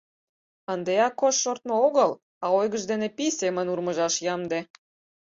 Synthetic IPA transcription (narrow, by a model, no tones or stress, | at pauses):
ənd̪eɑkːoʃːort̪̚mooɣəl | ɑojɣəʒd̪enepisemənurməʒɑʃjɑmd̪e